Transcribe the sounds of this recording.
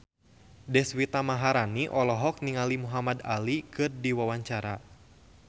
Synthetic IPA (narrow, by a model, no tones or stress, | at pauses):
dɛswit̪amaɦaɾaniʔɔlɔɦɔk̚niŋalimuɦamada̰likɨrdiwawaɲt͡ʃaɾa